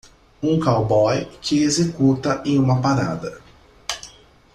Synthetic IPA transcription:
ũkawbɔjkʰɪezekut̪ɐʔẽj̃ũmɐpaɾa̰d̪ɐ

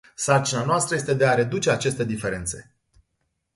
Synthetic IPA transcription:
sart͡ʃinanoast̪ɾəje̞st̪ed̪e̞aɾe̞d̪ut͡ʃe̞at͡ʃe̞st̪e̞d̪ife̞ɾe̞nt̪se̞̰

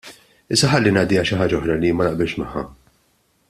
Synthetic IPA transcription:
ɪsːɐħɐlːinɐːd̪ɪːjɐʃɪħaːd͡ʒɐɔħɾɐlimɐnɐʔbɪlʃmɐħːɐ̰

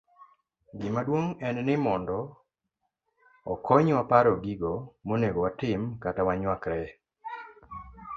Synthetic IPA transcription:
ɡɪmadwoŋɛnnɪmɔndɔ | ɔkʰɔɲwapaɾɔɡiɡomoneɡowatɪmkatawaɲwakɾɛ

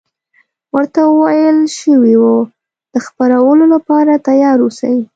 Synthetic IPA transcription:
wəɾt̪awəwajəlʃəwiwo | d̪̥əxpaɾawəlolapɑɾat̪ajɑɾusa̰ji

